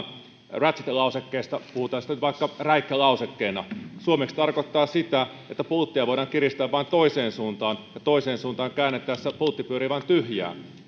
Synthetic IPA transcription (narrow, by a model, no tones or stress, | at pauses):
ræt̪si̥t̪lɑusekːeːst̪ɑpuhut̪ɑːnsit̪ænyt̪ʋɑikːɑræikːelɑusekːeːnɑsuomekst̪ɑrkot̪ːɑːsit̪æ | et̪ːæpult̪ːiɑʋoiɾɑːŋkirist̪æːʋɑint̪oiseːnsuːnt̪ɑːnjɑt̪oiseːnsuːnt̪ɑːŋkæːnːet̪ːˑæːssepult̪ːipyøɾiʋɑint̪yhjæ̰ː